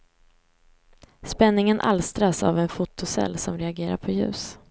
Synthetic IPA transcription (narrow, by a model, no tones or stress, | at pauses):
spɛnːɪŋənʔa̰lst̪ɾasa̰vɛnfʊt̪ʊsɛ̰lːsɔmɾɛaɡeːɾa̰ɾpʰɔjʉ̟̰ːs